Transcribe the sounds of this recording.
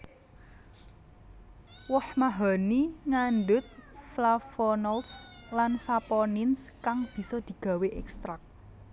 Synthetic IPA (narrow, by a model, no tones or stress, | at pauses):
wɔhmaɦaniŋanɖʊt̪̚flafɔnɔlslansapɔnɪnskaŋb̥i̤sɔd̪̥i̤ɡ̥a̤weʔɛkst̪ɾak̚